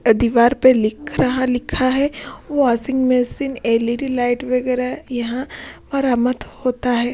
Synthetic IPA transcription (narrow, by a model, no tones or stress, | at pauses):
ɐd̪iʋaːɾpelɪkʰɾɐɦalɪkʰaɦɛʋoaːsɪ̃ŋɡmɛsineːliɾilaːɪʈʋɐɡɛːɾajɐɦãʋaːɾaːmət̪hoːt̪aɦɛː